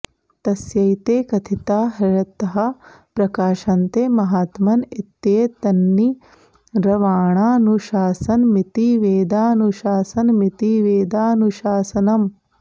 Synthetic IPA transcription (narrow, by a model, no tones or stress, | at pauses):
t̪ɐsjɐjt̪eːkɐt̪ʰit̪aːɦɐɾɐt̪ːɐɦɐ̆ | pɾɐkaːʃɐnt̪eːmɐɦaːt̪mɐnit̪ːeːt̪ɐnːi | ɾɐʋaːɳaːnuʃaːsɐnmit̪iʋeːd̪aːnuʃaːsɐnmit̪iʋeːd̪aːnuʃaːsɐnɐm